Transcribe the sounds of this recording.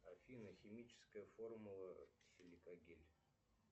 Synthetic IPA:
ɐfʲinəxʲɪmʲit͡ɕɪ̥skəjəformʊlˠəsʲɪlʲɪkɐɡʲelʲ

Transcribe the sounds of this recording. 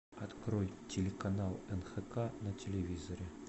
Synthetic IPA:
ɐt̪kɾojtʲɪlʲɪkanalˠɛnxɛkanɐtʲɪlʲɪvʲizɐɾʲɪ

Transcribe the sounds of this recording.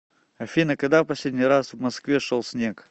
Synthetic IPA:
ɐfʲinəkɐɡd̪afpɐsʲlʲedʲnʲijɾasvmɐskvʲeʂolˠsʲnʲek

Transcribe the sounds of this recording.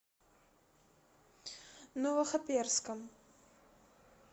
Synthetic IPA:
novəχɐpirskəm

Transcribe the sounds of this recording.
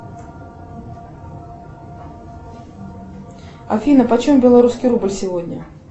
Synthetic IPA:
ɐ̰fʲinəpɐt͡ɕɔmbʲɛlˠaɾuskʲiɾubɨlʲsʲɪvɔdʲnʲə̰

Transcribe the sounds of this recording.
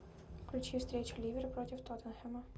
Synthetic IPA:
fklʲʉt͡ɕifst̪ɾʲet͡ɕʊlʲivʲɪɾʲəpɾotʲɪft̪ɔt̪ənxɛmə

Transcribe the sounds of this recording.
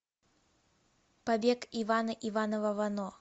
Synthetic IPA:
pabʲɛkivanɐʔivanɐvɐvanɔ

